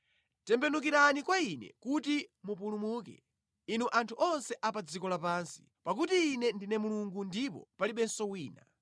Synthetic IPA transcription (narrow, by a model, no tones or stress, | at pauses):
tɛmbɛnuk̬iɾanikwainɛ̰kutimupulumuːkɛ̰ | inuʔantʰuʔɔnsɛʔapad͡zikɔlapaːnsi̥ | pak̬utiːnɛndinɛmuluŋɡundipɔ̰paliɓɛnsɔwiːna̰